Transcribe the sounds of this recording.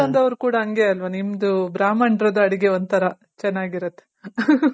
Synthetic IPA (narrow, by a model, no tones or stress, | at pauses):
ɐnd̪ɐʋɐɾukuːɽɐɦɐŋɡeɐlʋɐnimd̪ubɾaːmɐɳɖɾɐd̪ɐɐɽiɡeond̪̚t̪ʰɐɾɐ | t͡ʃɛnːaːɡiɾɐt̪ːe